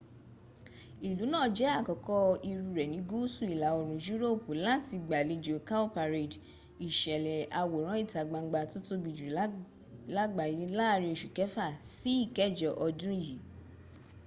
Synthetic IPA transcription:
i˨lu˨˦nãː˦˨d͡ʒɛ˨˦a˦˨kɔ˨kɔ˧i˧ɾu˧ɾɛ˨nĩ˨˦ɡu˦su˦˨i˨la˨˦o˧ɾ̃ũ˨d͡ʒu˦ɾo˦˨pu˨la˦ti˧ɡ͡ba˨le˨˧d͡ʒo˨ka˦o˦pa˧ɾe˨d | i˨ʃɛ˨lɛ˨a˧wo˨ɾ̃ã˦i˦˨ta˨˦ɡ͡ba˧˦ɡ͡ba˧to˦to˦bi˨d͡ʒu˨i˨˦ | la˦ɡ͡ba˧˨ji˨˦la˦˧ɾĩ˧i˨ʃu˨kɛ˨˦fa˦˨si˨˦i˦˨kɛ˦˨d͡ʒɔ˨ʔɔ˧dũ˦i˦˨ji˨˦

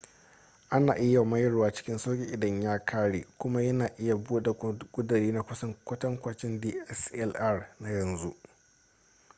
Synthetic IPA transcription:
ʔa˦na̰ː˨ʔɪ˦ja˨mɐ˦jɐ˦rwaː˦t͡ʃɪ̥˦kʲɪ˦nso˦kʲʼɪ˦˨ʔɪ˨dɐ˦ɲjaː˦kʰaː˦ɽeː˨kʷʊ˦ma˦jɐ˦naː˨ʔɪ˦ja˨buː˦da˨kʷʼʊ˦dɪ˨ɾiː˦na˨kʷʊ˦sɐ˦ŋkʷɐ˦tɐ˦ŋkʷa˨t͡ʃɪ˦ndiː˦ʔɛ˦sɛ˦lʔa˦rna˦jɐ˨nzu˦ʔ

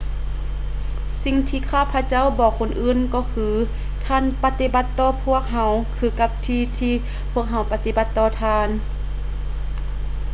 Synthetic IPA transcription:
si˧ŋt̪ʰiː˧kʰaː˧˥˨wpʰa˧t͡ɕa˥˨wbɔː˨˩kʰːo˧˥˨nʔɯː˧˨nkɔː˧˩kʰɯː˧ | t̪ʰaː˧˥˨npa˧t̪i˧˥ba˧˦t̪ːɔː˧˩pʰu˧˥˩ək̚ɦa˧˥wkʰɯː˧˩ka˧p̚t̪ʰiː˧t̪ʰiː˧ | pʰu˧˥˩ək̚ɦa˧˩wpa˧t̪i˧˩ba˧˦t̪ːɔː˧˩t̪ʰaː˧˥˨n

